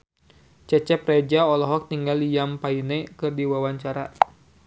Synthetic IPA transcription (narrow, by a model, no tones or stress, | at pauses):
t͡ʃɛt͡ʃɛprɛd͡ʒaɔlɔɦɔk̚t̪iŋɡalijampainɛkɨrdiwawaɲt͡ʃaɾa